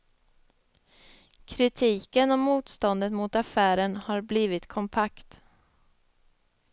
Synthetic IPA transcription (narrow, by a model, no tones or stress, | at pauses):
kʰɾɪt̪ʰiːkənɔmːuːt̪st̪ɔnd̪ət̪mʊt̪afæːɾənhaɾbliːvɪt̪kʰɔmpʰakt̪